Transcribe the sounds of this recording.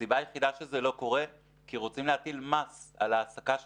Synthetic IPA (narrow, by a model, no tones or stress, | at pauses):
ibajeχid̪aʃezelo̞ko̞ʁe | kiʁo̞t͡simleat̪ilmasa̰laːsakaʃ